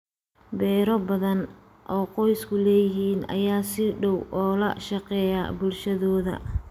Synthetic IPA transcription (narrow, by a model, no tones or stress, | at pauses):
bɛːɾɔbɐðɐn | ʔɔːqɔjskʰʊlɛːjɪɦiːnɐ̰jaːsɪɖɔwʔɔːlɐ̰ʃɑqɛːja̰bʊlʃɐðɔːðɐ̰